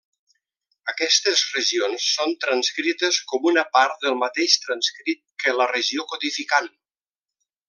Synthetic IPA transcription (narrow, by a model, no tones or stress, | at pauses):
əkɛst̪əzrəʒionsːont̪ɾənskɾit̪əskɔmunəpaɾt̪̚d̪əlˠmət̪eʃt̪ɾənskɾit̪̚kələrəʒiokoðifikan